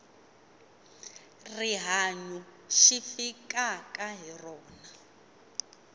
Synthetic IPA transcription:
riɦaɲuʃifikakʼaɦirɔːna

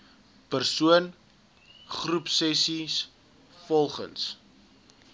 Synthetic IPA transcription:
pərsuən | χrupsɛsis | fɔlˠχə̰ns

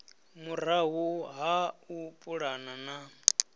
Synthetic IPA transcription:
muraɦuɦaupʼuɺanana

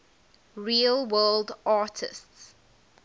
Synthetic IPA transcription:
ɹiːəlˠwɜːldaːˑtʰɪ̰sts

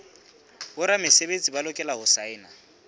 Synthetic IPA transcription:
bʊɾamɪsebet͡sʼibalʊkʼɛlaɦʊsaɪːna

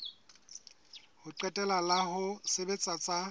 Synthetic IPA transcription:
hʊǃɛtʼɛlalahʊsebet͡sʼat͡sʼa

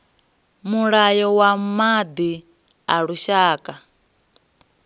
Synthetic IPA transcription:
muɺajɔwamad̪i | aɺuʃaːkʼa

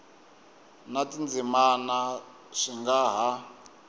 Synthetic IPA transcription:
natind͡zimana | ʂiŋɡaɦa

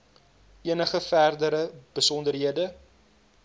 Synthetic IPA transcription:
iənəχəfærdəɾəb̥əsɔndərɦiədə

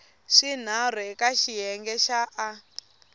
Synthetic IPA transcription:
ʂin̤ar̤wɛkaʃijɛŋɡɛʃaʔː

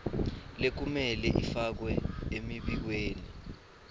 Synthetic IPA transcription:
lek̬umɛlɛʔifak̬wɛemiɓik̬weːni

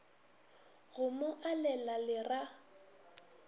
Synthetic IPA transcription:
ɣʊmʊʔalɛlalɪra

